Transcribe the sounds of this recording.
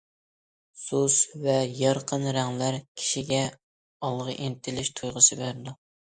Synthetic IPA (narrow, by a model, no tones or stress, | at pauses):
susvɛjɑɾqʰənɾæŋlæɾkʲʰi̥ʃiɡʲɛ | ɑlˠʁəʔent̪ʰɪlɪʃt̪ʰujʁəsɨbæɾd̪u